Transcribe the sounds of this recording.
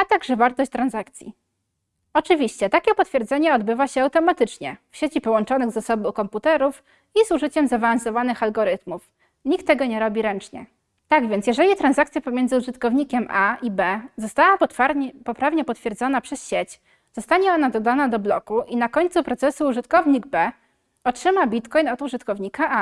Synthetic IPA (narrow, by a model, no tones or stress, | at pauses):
at̪aɡʐɛvaɾt̪ɔɕt͡ɕʲt̪ɾanzakt̪sʲjḭ | ɔt͡ʂɘvʲiɕt͡ɕɛt̪akʲɛpɔt̪fʲjɛɾd̪zɛɲɛɔd̪bɘvaɕɛawt̪ɔmat̪ɘt͡ʂɲɛfɕet͡ɕipɔwɔnt͡ʂɔnɘɣzasɔbɘkɔmput̪ɛɾuf | izuʐɘt͡ɕɛmzavaansɔvanɘxalɡɔɾɘt̪muf | ɲikt̪ːɛɡɔɲɛɾɔbʲiɾɛnt͡ʂɲɛ̰ | t̪aɡvʲjɛnt̪sʲjɛʐɛlʲit̪ɾanzak̚t̪sʲjapɔmʲjɛnd̪zɘuʐɘt̪kɔvɲikʲɛmʔaibɛzɔst̪awaapɔpɾavɲɛpɔt̪fʲjɛɾd̪zɔnapʂɛsɕet͡ɕ | z̥ɔst̪aɲɛɔnad̪ɔd̪anad̪ɔblɔkuʔinakɔɲʲt̪supɾɔt̪sɛsuːʐɘt̪kɔvɲiɡbɛ | ɔtʂɘmabʲit̪kɔjnɔd̪uʐɘt̪kɔvɲikaʔa